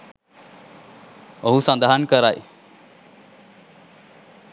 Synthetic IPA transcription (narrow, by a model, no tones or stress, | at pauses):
əɦusãnd̪aɦənkəɾaj